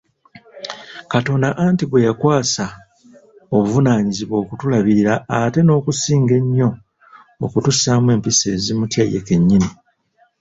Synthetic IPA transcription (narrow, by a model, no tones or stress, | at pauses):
kato̞ːndaʔantiβwe̞jakwaːsa | oβuvunaːɲiziβo̞ːkutulaβiɾiɾaate̞no̞ːkusiːŋɡe̞ɲːo̞ː | kutussamwe̞ːmpise̞ːzimutjajeke̞ɲːini